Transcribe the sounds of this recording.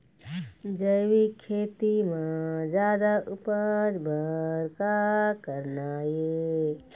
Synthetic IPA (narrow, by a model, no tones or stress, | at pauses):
d͡ʒəjʋikʰeːt̪imãd͡ʒjaːd̪aʔʊpəɾbʱəɾkakəɾnaje